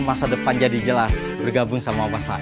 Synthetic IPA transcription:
masadəpand͡ʒadid͡ʒəlas | bərɡabʊŋsamawasa̰

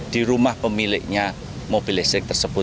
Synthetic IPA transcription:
d̪̥iɾumahpəmilɪʔɲa | mob̥ilɪsɪk̚t̪ərsəb̥ʊ

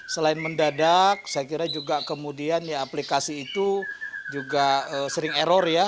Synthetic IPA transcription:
səlaɪnməndadak̚sajakiɾad͡ʒuɡakəmudianjaːplikasiːt̪ud͡ʒuɡaəːsəɾɪŋeɾɔrja

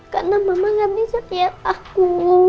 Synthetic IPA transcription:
kaʔnamamaŋanisat̪iaaku

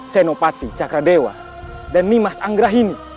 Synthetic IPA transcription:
sɛnɔpat̪it͡ʃakɾadɛwa̰ | danːimasaŋɡɾaɦini

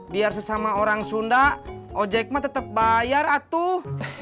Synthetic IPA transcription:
biarsəsamaoɾaŋsundaɔd͡ʒɛk̚mat̪ət̪əp̚bajarat̪u

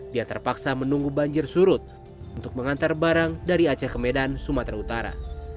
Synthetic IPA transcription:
diat̪ərpaksamənuŋɡubaɲd͡ʒɪrsuɾʊt̪̚ | unt̪ʊk̚məŋant̪arbaɾaŋdaɾiat͡ʃakəmedansumat̪ɾaut̪aɾa̰

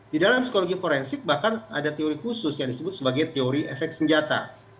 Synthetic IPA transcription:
didalamsi̥koloɡifoɾɛnsɪk̚bahkana̰dat̪eoɾikusʊsjaŋdisəbʊt̪̚səbaɡajt̪eoɾiʔɛfɛk̚t̪səɲd͡ʒat̪a̰

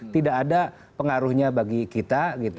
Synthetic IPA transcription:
t̪idakːda | pəŋaɾʊhɲabaɡikit̪aɡit̪

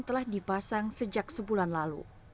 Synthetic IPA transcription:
nt̪əlahdipasaŋsəd͡ʒak̚səbulanlalṵ

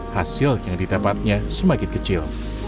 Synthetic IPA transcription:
hasɪljaŋdidapat̪̚ɲasəmakɪt̪̚kət͡ʃɪl

